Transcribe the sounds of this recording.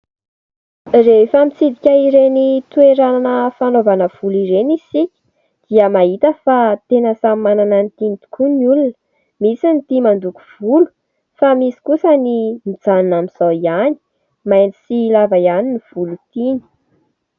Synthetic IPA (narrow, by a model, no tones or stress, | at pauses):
refəmit͡sid̪ikʲəiɾenit̪ueɾananəfanovanəv̥uliɾenisikʲə̥ | d̪̥iəmaɦit̪əfat̪enəsammananənt̪init̪u̥kʰuniulunə | misinit̪imand̪uku̥v̥ulu̥ | famisi̥kusənimid͡zanunamiz̥aiani̥ | majnisilavajaniniv̥ulut̪ini̥